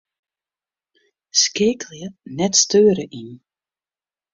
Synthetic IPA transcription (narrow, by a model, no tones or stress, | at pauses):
skeːkljənɛtstøːɾəʔin